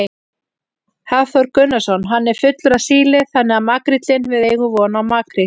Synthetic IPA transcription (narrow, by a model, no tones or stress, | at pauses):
haθɔɾkʏnːasɔnɦanːɛɾ̥fʏt̪lʏɾasiːlɪθanːɛɣamaːkɾit̪lɪnvɪðeːjɣʏvɔːnaɔmaːkɾi